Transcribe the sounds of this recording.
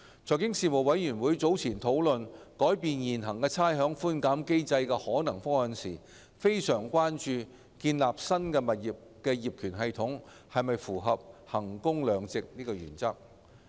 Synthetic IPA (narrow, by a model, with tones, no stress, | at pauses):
t͡sʰɔː˨˩jkɪ˥ŋsiː˨˧mo˨wɐ˨˥jyː˨˩nwuː˨˥jt͡so˨˥wt͡sʰiː˨˩nt̪ʰo˨˥wlɵ˨˧nkɔː˨˥jpiː˨˧njiː˨˩nɦɐ˨˩ŋkɛː˧t͡sʰaː˥jɦœː˨˥ŋfuː˥nkaː˨˥mke˥jt͡sɐ˧jkɛː˧hɔː˨˥nɐ˨˩ŋfʊ˥ŋhɐ˨nsḭː˨˩ | fe˥jsœː˨˩ŋkʷwaː˥nt͡ʃyː˧ | kiː˧nlaː˨p̚sɐ˥nkɛː˧mɐ˨t̚jiː˨p̚kɛː˧jiː˨p̚kʰyː˨˩nɦɐ˨˧jt̪ʰʊ˨˥ŋ | hɐ˨jmɐ˨jfuː˨˩ɦɐ˨p̚hɐ˨˩ŋkʊ˥ŋlœː˨˧ŋt͡sɪ˨k̚niː˥kɔː˧jy̰ː˨˩nt͡sɐ˥k̚